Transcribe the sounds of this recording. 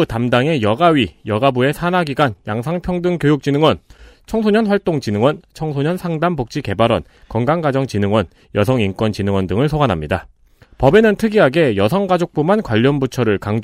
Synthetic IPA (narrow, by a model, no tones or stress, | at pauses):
utamdaŋe̞jʌɡaɥijʌɡabue̞sʰanaɡiɡanjaŋsʰaŋpʰjʌŋdɯŋkjojuk̚t͡ɕ͈inɯŋwʌnt͡ɕʰʌŋsʰoɲʌnɸwaɭt͈oŋt͡ɕinɯŋwʌnt͡ɕʰʌŋsʰoɲʌnsʰaŋdambok̚t͡ɕ͈ike̞baɾwʌn | kʌŋɡaŋɡad͡ʑʌŋt͡ɕinɯŋwʌn | jʌsʰʌŋink͈wʌnt͡ɕinɯŋwʌndɯŋɯɭsʰoɡanɦamɲida | pʌbe̞nɯntʰɯɡiɦaɡe̞jʌsʰʌŋɡad͡ʑok̚p͈omankwaʎːʌnbut͡ɕʰʌɾɯɭkaŋ